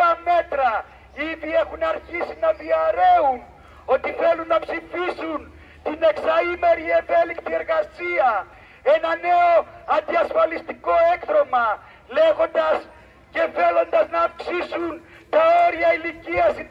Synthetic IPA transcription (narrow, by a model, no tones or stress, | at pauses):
ɐmet̪ɾɐ | iðiexunɐɾçisinɐðiɐɾe̞un | o̞t̪iθe̞lunːɐpsifisun | t̪ine̞ksɐime̞ɾievelikt̪ie̞ɾɣɐsiɐ | enɐne̞o̞ɐnd̪iɐsfɐlist̪iko̞ekθɾo̞mɐ | le̞ɣo̞nd̪ɐs | ce̞fe̞lo̞nd̪ɐznɐːfksisun | t̪ɐeɾʝɐiliciɐs